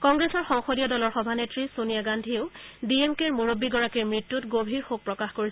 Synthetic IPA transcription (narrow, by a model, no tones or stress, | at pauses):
kɔŋɡɹesɔɹxɔŋxodijɔdɔlɔɹxɔbʱanetɹisonijaɡandʱieʊdiemkeɹmuɹobːiɡɔɹakiɹmɹitːutɡobʱiɹxok̚pɹɔkaxkoɹis